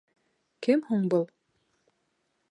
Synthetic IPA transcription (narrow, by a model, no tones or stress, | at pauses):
kɘmhuɴbɤlˠ